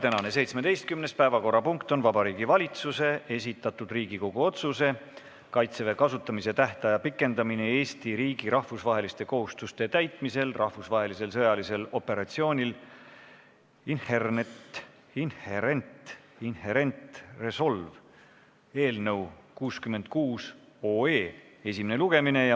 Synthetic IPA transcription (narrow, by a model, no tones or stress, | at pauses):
t̪ænɑne̞se̞jt̪smed̪e̞jst̪kymne̞spæevɑko̞rːɑpuŋkt̪o̞nvɑbɑɾiːɡivɑlʲit̪suse̞ʔe̞s̬ʲit̪ːˑɑt̪ːˑud̪̥riːɡ̥iko̞ɡ̥uo̞t̪suse̞ | kɑjt̪seve̞kɑsut̪ːˑɑmise̞t̪æht̪ɑjɑpikːˑe̞nd̪ɑminee̞ːst̪iɾiːɡ̥iɾʔɑhfusvɑɦe̞list̪e̞ko̞ɦust̪ust̪e̞t̪æjt̪ˑmise̞lrʔɑhvusvɑɦe̞lise̞lsɤ̞jɑlise̞lo̞pe̞ɾɑt̪sio̞ːnʲil | inhernet̪ | inheɾent̪inheɾe̞nt̪re̞so̞lv | e̞ːlnə̞wkuːskymːe̞nd̪̥̚kuːs | oːeːe̞simne̞luɡ̥e̞mine̞jɑ